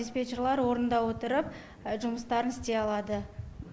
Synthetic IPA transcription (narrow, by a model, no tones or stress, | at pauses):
espʲet͡ʃeɾlˠɑɾwo̞ɾənd̪ɑwo̞t̪əɾəp̚ | ʒʊməst̪ɑɾənɪst̪e̞ɑlˠɑd̪ə